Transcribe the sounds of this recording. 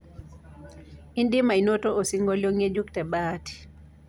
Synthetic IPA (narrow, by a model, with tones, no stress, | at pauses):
i˦ndi˦ma˨i˨nɔ˦tɔ˦ʔo˨si˦ŋɡɔ˦ljɔ˦ŋe˦d͡ʒu˦ktɛ˨ɓaːti̥